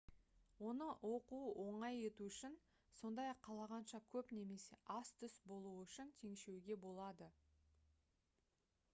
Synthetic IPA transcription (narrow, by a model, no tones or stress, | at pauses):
wo̞nəwo̞quwʔo̞ɴɑje̞t̪uʏʃɪn | so̞nd̪ɑjɑqʰːɑlˠɑʁɑnʃɑkʲʰɵpne̞me̞se̞ʔɑst̪ʰʏsbo̞lˠuəʏʃɪnt̪ʰe̞ŋʃe̞wɡʲe̞bo̞lˠɑd̪ə